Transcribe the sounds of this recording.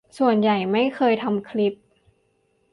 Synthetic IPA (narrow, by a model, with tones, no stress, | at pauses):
su˨˩ənja˨˩jma˥˩jkʰɤː˧jt̪ʰa˧mkʰli˦˥p̚